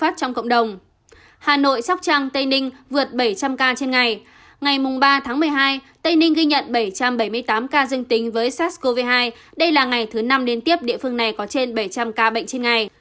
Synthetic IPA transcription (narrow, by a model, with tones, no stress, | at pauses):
faː˦˥t̚t͡ɕɔ˧wŋ͡mkə̰˧˨wŋ͡mɗə˨˩wŋ͡m | haː˨˩no̰˧˨jsa˦˥k͡p̚t͡ɕaː˧ŋt̪ə˧jnï˧ŋ̟vɨ˨˩ət̚ɓə˧˩jt͡ɕa˧mkaː˧t͡ɕe˧nŋa˨˩j | ŋa˨˩jmʊ˨˩ŋ͡mɓaː˧t̪ʰaː˨˦ŋmɨ˨˩əjɦaː˧j | t̪ə˧jnï˧ŋ̟ɣi˧jɲə̰˧˨nɓə˧˩jt͡ɕa˧mɓə˧˩jmɨ˧əjt̪aː˨˦mkaː˧zɨ˧əŋt̪ï˨˦ŋ̟vəː˨˦jsaː˦˥t̚sko˧vi˧ɦaː˧j | ɗə˧jlaː˨˩ŋa˨˩jt̪ʰɨ˨˦na˧mɗe˨˦nt̪i˦˥əp̚ɗḭ˧əfɨ˧əŋna˨˩jkɔ˨˦t͡ɕe˧nɓə˧˩jt͡ɕa˧mkaː˧ɓə̰˧˨jŋ̟t͡ɕe˧nŋa˨˩j